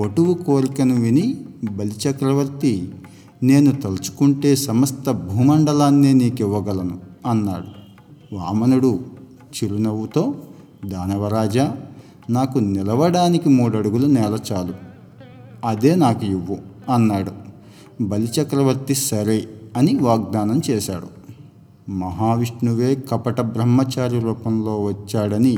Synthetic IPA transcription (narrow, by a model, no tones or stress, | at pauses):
oʈuʋukoːɾikɐnuʋinibɐlit͡ʃɐkɾɐʋɐɾt̪i | ne̞ːnut̪ɐlɐt͡ʃu̥kuɳʈe̞ːsɐmɐst̪ɐbʱuːmɐɳɖɐlaːnːeːniːkiʋːɐɡɐlɐnuɐnːa̰ːɽu | ʋaːmɐnuɽu | t͡ʃiɾunɐʋut̪o̞ː | d̪aːnɐʋɐɾaːd͡ʒa | naːkunilɐʋɐɽaːnikimuːɽɐɽuɡulunɛːlɐt͡ʃaːlu | ɐd̪e̞ːnaːkuiʋːuɐnːaːɽu | bɐlit͡ʃɐkɾɐʋɐɾt̪isɐɾeɐniʋaːɡ̚d̪aːnɐmt͡ʃɛːʃa̰ːɽu | mɐɦaːʋiʂnuʋe̞ːkɐpɐʈɐbɾɐmːɐt͡ʃaːɾiɾuːpɐmlo̞ːʋɐt͡ʃːaːɽɐni